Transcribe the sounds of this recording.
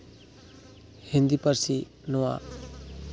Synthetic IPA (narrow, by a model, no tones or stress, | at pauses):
hind̪ipəɾsi | nuwa̰